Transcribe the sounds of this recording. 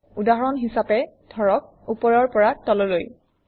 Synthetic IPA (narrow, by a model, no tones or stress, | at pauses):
udaɦɔɹɔnɦisapɛd̥ʱɔɹɔk̚ | upɔɹɔɹpɔɹatɔlɔloj